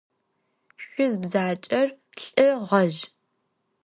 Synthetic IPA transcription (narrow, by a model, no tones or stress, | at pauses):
ɕʷʊzbzaːt͡ʃʼɐrɬʼɨʁɐʒ